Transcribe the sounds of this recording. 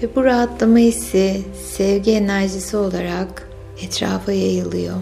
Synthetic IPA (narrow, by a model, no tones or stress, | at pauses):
vɛbuɾaɦat̪lˠamaisɛ | sɛvɟienæɾʒisio̞lˠaɾak | ɛt̪ɾa̰ːfajajɯlˠɯjo̰